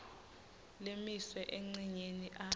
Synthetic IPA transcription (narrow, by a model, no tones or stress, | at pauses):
lemiswɛʔeŋ͡ǀiɲeniʔa